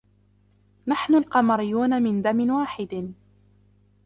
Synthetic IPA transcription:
naħnʊlqɑmɑɾɪjːuːnamɪnd̪amɪnwaːħɪd̪

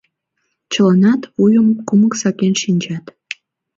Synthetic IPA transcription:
t͡ɕəlɑnɑt̪βujəmkuməksɑkenʃinʲt͡ɕɑt̪

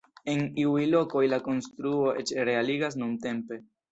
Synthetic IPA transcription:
e̞niujlo̞ko̞jlako̞nstɾuo̞ʔe̞t͡ʃɾe̞aliɡas̬nunte̞mpe̞

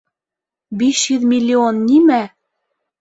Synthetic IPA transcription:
biɕjʉðmʲilʲːionːimæ

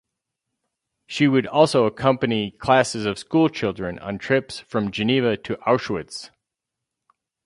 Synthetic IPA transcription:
ʃiwɨɾɔlˠsoʊəkʰʌ̃mpɨnikʰl̥æsɨzʌv̥skulˠt͡ʃʰɪlˠdɹɨ̃nə̰̃ntʰɹ̥ɪpsfɹʌ̃md͡ʒɨnivɨɾʰɨʔaʊʃwədz̥

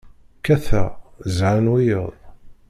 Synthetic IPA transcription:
kæθæzʕanwijəðˤ

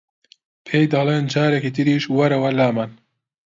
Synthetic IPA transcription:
pʰeːjd̪ɑːleːnd͡ʒaːɾɛkiːt̪ɨɾiːʃwɐɾɐwɐlaːmɐn

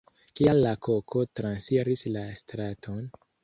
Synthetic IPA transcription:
kialːakʰo̞kʰo̞tɾansiɾislastɾatʰo̞n

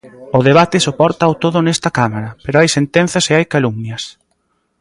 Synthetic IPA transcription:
ʊðeβat̪ɪsopɔɾt̪aːwt̪oðʊnest̪ɐkamaɾɐpeɾoajsent̪en̟θɐseajkalumnjɐs

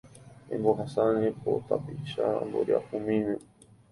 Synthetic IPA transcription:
ẽmboɦasanẽpo̰t̪apiʃambo̰ɾia̰ʔumĩmẽ

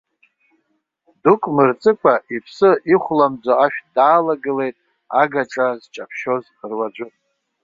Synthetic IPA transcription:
dukʷʼmɨrt͡sʼɨkʷʰʼaʔipʰsɨiχʷlamd͡zoaʃᶣdaːlaɡɨle̞jtʼ | aɡaʈ͡ʂʼazt͡ʃʼapʰʃo̞z | ərwad͡ʒʷʊ

